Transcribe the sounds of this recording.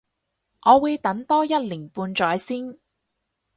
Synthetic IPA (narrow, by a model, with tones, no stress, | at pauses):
ʔɔː˨˧wuː˨˧jt̪ɐ˨˥ŋt̪ɔː˥jɐ˥t̚liː˨˩npuː˧nt͡ʃɔː˨˥jsiː˥n